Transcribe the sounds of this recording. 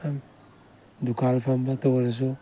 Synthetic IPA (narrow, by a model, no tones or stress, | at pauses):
am | dukalfambatawalas̬o